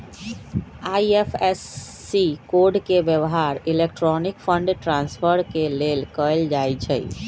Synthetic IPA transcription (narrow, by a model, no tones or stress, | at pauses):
aiepʰesː | ikoɖkebjəʋɦaɾilek̚ʈɾɔnikpʰəɳɖʈɾãnspʰəɾkelelkəjld͡ʒajt͡ʃʰə̰